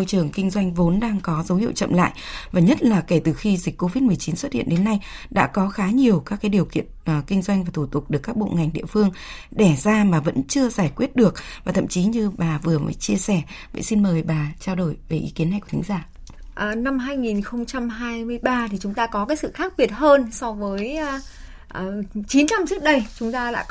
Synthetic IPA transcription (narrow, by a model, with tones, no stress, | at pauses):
o˧jt͡ɕɨ˨˩əŋkï˧ŋ̟zwa˧jŋ̟vo˨˦nɗaː˧ŋkɔ˨˦zə˨˦whḭ˧˨əwt͡ɕə̰˧˨mla̰ː˧˨jvaː˨˩ɲə˦˥t̚laː˨˩ke˧˩t̪ɨ˨˩xi˧zï˨˩k̟ko˧vi˦˥t̚mɨ˨˩əjt͡ɕi˨˦nswə˦˥t̚hḭ˧˨ə˨nɗe˨˦nːa˧jɗa̰ː˧˥kɔ˨˦xaː˨˦ɲi˨˩əwkaː˦˥kːaː˨˦jɗi˨˩əwkḭ˧˨ənn˨˩kï˧ŋ̟zwa˧jŋvaː˨˩t̪ʰu˧˩t̪ʊ˨˩k͡p̚ɗɨ˨˩əkːaː˦˥k̚ɓo̰˧˨ŋa˨˩jŋ̟ɗḭ˧˨əfɨ˧əŋ | ɗɛ˧˩zaː˧maː˨˩və̰˧˥nt͡ɕɨ˧əzaː˧˩jkwi˦˥ət̚ɗɨ˨˩ək̚vaː˨˩t̪ʰə̰˧˨mt͡ɕi˨˦ɲɨ˧ɓaː˨˩vɨ˨˩əmə̰ː˨˦jt͡ɕi˧əsɛ˧˩və̰˧˨jsi˧nməː˨˩jɓaː˨˩t͡ɕaː˧wɗo˧˩jve˨˩ʔḭ˨˦ki˨˦ənːa˧jku˧˩t̪ʰŋzaː˧˩ | ʔːna˧mɦaː˧jŋi˨˩nxə˧wŋ͡mt͡ɕa˧mɦaː˧jmɨ˧əjɓaː˧t̪ʰi˨˩t͡ɕʊ˨˦ŋ͡mt̪aː˧kɔ˨˦kaː˨˦jsɨ̰˧˨xaː˦˥k̚ɓi˨˩ət̚həː˧nsɔ˧vəː˨˦j | ʔt͡ɕi˨˦nt͡ɕa˧mt͡ɕɨ˦˥k̚ɗə˧jt͡ɕʊ˨˦ŋ͡mt̪aː˧la̰ː˧˨